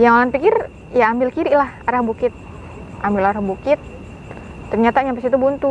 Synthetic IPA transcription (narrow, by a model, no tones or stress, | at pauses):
jaŋalanpikɪr | jaːmbɪlkiɾɪʔlahaɾahbukɪt̪̚ | ʔambɪlaɾahbukɪt̪̚ː | ərɲat̪aɲampasit̪ubunt̪u